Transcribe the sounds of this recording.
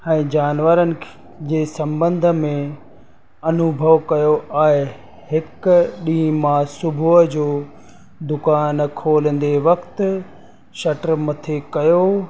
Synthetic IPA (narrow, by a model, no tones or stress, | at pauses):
ɛ̃ːd͡ʑaːnʋəɾənɪ̆ | d͡ʑeːsɐ̃mbə̃nd̪ʱəmẽ | ɐnʊbʱəʋkɐjoʔaːɦe | hɪkɗĩːmãsʊbʱuəd͡ʑoː | d̪ʊkaːnkʰoːlən̆d̪eʋɐkt̪ | ʃɐʈəɾmɐt̪ʰekɐjo